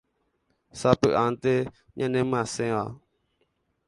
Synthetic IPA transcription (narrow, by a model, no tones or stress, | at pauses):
sapɨʔant̪e | ɲʔãnẽmɨ̃ãsẽʋa